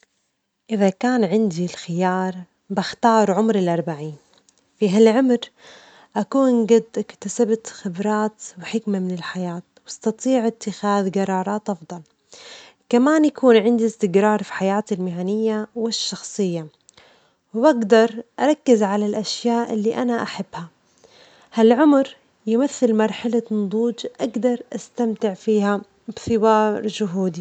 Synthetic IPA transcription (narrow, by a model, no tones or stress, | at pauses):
ʔɪðakaːnʕɪnd̪ilxɪjɑːɾˤ | bɪxt̪ɑːɾˤʕʊmɾɪlʔɑɾˤbaʕiːn | fiɦalʕʊmɾ | ʔakuːnɡad̪ːʔɪkt̪asabat̪xɪbɾˤɑːt̪wɪħɪkmamɪnɪlħajaːt̪wʔɑst̪ɑt̪ˤiːʕɪt̪ːɪxaːðɡɑɾˤɑːɾˤɑːt̪ʔɑfd̪ˤɑl | kamaːnjakuːnʕɪnd̪ist̪ɪɡɾˤɑːɾˤfi̥ħajaːt̪ɪlmɪʕaːnɪjːawɪʃːɑxsˤɨjːa | wbaɡd̪ɑɾˤʔɑɾˤɑkːɪzʕalalʔaʃjaːʔɪ̰lːiʔanaʔaħabːha | halʕʊmɾ | jɪmaθːɪlmɑɾˤħalanʊd̪ˤuːd͡ʒʔaɡd̪ɑɾˤʔast̪amt̪ɪʕfiːha | bθɪwɑːɾˤd͡ʒʊɦuːd̪i